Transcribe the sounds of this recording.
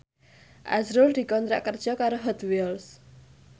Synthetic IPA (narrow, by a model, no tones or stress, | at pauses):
ʔa̰zɾʊld̪̥i̤kɔnt̪ɾa̰ʔkərd̥ʒ̥ɔ̤kaɾoɦɔd̪wils